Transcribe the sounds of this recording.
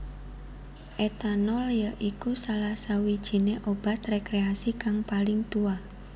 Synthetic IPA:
ʔet̪anɔljəʔikusalahsawid̥ʒ̥i̤neʔob̥a̤t̪rekɾeasikaŋpalɪŋt̪ua

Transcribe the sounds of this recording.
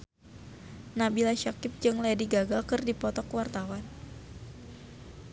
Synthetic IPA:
nabilaʃakɪp̚d͡ʒɨŋlaadiɡaɡalkɨrdipɔt̪ɔkwart̪awan

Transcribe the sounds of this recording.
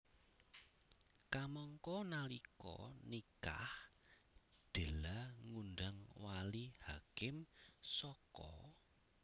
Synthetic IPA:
kamɔŋkɔnalikɔ̰nika̰h | ɖ̪̥e̤laŋunɖaŋwalihakɪmsɔkɔ̰

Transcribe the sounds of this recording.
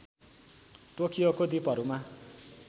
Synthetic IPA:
ʈokijokod̪ipʌɾuma

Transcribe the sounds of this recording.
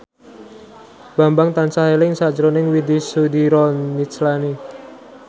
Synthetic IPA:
b̥a̤mbaŋt̪ansaɦelɪŋsḁd͡ʒɾonɪŋwid̪isud̪iɾɔit͡ʃlani

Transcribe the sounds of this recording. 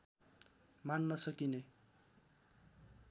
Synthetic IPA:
manːʌsʌkine

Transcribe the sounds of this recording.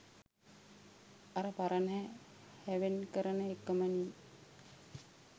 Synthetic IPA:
aɾəpaɾənɦɛ | hæʋenkəɾənəekːəməniː

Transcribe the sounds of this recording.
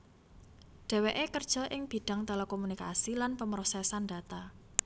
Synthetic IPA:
ɖ̥ɛ̤weʔekərd̥ʒ̥ɔ̤ʔɪŋb̥i̤ɖ̥a̤ŋt̪elɛkomunika̰silanpəmɾosɛsanda̤t̪a

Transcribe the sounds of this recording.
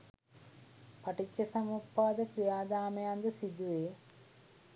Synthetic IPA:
pɐʈit͡ʃːɐsɐmupːaːd̪ɐkɾijaːd̪aːmejand̪ɐsid̪uʋeː

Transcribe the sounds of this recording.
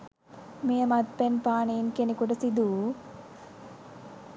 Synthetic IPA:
mejəmad̪̚penpaːneinkenekuʈəsid̪uː

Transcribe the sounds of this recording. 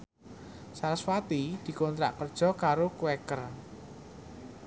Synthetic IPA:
saɾswat̪id̪̥i̤kɔnt̪ɾa̰ʔkərd̥ʒ̥ɔ̤kaɾokuwɛkər

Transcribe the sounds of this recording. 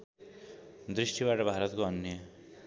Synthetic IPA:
d̪ɾisʈibaʈʌbʱaɾʌt̪koʌnjʌ

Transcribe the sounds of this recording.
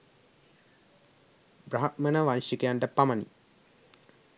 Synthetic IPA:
braɦat̚mənəʋanʂikejaɳʈəpamənḭ

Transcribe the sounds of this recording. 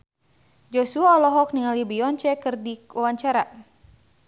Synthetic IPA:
d͡ʒɔsuaɔlɔɦɔk̚niŋalibiɔɲt͡ʃɛkɨrdiwawaɲt͡ʃaɾa

